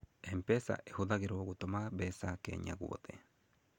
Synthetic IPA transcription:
empesa̰ʔehuðaɣeɾoɣutomaβesakḛɲa̰ɣṵðe

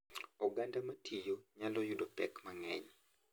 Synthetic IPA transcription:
ɔɡandamatʰijoɲalɔjudopɛ̰kmaŋɛɲ

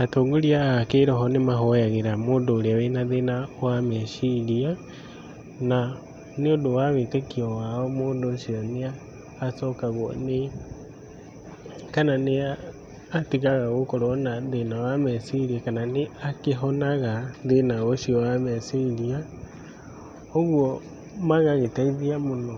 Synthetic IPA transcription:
atoːŋɡoɾiaːkeːɾɔɦɔnemaɦɔjaɣeɾamoːndoːɾeawenaðenawamɛʃiɾia | na | neodowaβetekiɔwaɔmoːndoʃiɔneaː | sɔkaɣwɔ̰ne | kanane | atiɣaɣaɣokɔɾɔnaðenawamɛsiɾiakananeakeɦɔnaɣaðenaɣɔʃiɔwamɛsiɾia | ɔɣwɔ | maɣaɣetaiðiamonɔ

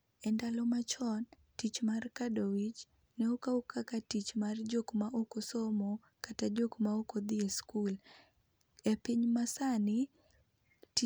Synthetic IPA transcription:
ɛndalɔmat͡ʃɔn | tit͡ʃmarkadɔwit͡ʃ | nɛukaukakatit͡ʃmard͡ʒokmaʔokɔsɔmɔ | katad͡ʒɔkmaokɔd̪ieskul | ɛpiɲmasani | t

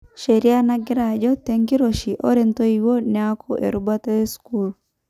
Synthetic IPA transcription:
ʃeɾianaɡɪɾad͡ʒɔteŋkiɾoʃiʔo̰ɾent̪oiwonakʰɔʔḛɾubataeskul

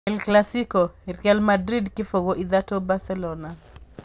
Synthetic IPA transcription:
ɛlklasikoirɛlmadɾidkɪfoɡoʔid̪atobasɛlɔna

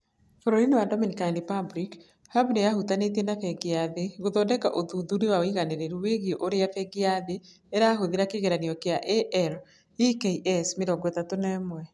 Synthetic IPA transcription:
foɾoɾiniwadɔminikandipabɾik | haβnejahutanetenafɛɡiaðeɣoðɔdɛkaʔoðuðuɾewaoiɣaneɾeɾuweɣioʔoɾeafɛɡiaðe | eɾaːɦoðeɾakeɣeɾaniɔkeaʔeʔɛɾ | ikeʔɛsmeɾɔɡɔetatonɛmwɛ

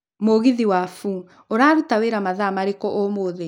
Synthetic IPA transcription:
moɣiðiwafu | oɾaːɾotaweɾamaðamaɾekɔʔɔmoːðe

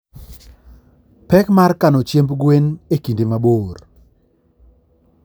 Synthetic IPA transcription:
pɛkmarkanɔt͡ʃjembɡwenekindimaboːr

